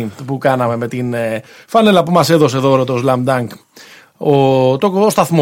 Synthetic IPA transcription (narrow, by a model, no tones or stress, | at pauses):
pukɐnɐme̞me̞t̪infɐnelɐpumɐse̞ðo̞s̬eðoɾot̪ozlɐmd̪ɐŋk | ot̪oost̪ɐθmo